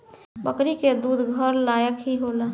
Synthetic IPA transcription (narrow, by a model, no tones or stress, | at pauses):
bəkɾiked̪uːd̪ʱɡʱəɾlaːjəkɦiɦoːlaː